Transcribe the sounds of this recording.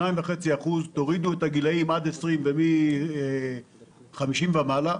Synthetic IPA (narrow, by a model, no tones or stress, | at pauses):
aiɱveχe̞t͡siaχuzt̪o̞ʁid̪ue̞taɡilaimad̪e̞sʁimvemi | χamiʃimvamala